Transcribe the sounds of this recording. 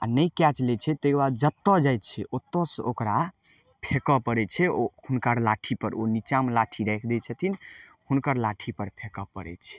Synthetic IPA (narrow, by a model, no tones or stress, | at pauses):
a̰nəjkat͡ʃlɛt͡ʃʰɛt̪ekbad̪d͡ʒət̪ːɔd͡ʒajt̪t͡ʃʰɛʔot̪ːɔsokɾa | pʰekɔpəɾɛt͡ʃʰɛohunkəɾlaʈʰipəɾonit͡ʃamlaʈʰiɾɛjkʰd̪ɛt͡ʃʰɛt̪ʰin | hunkəɾlaʈʰipəɾpʰekɔpə̰ɾɛ̰t͡ʃʰɛ̥